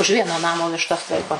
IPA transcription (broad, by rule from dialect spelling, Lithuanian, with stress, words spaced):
ʊʃ ˈʋʲiɛnoː ˈnɑːmoː ʋʲɪʃˈtɐs ˈlˠɐɪkoː